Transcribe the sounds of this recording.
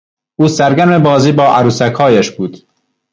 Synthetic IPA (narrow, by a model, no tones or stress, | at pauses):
ʔuːsæɾɡʲæɾmebɒːziːbɒːʔæɾuːsækhɒːjæʃbuːd̪̥